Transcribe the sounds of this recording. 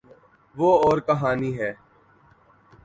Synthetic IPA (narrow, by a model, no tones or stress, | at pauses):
ʋoːɔːɾkəɦaːniɦɛː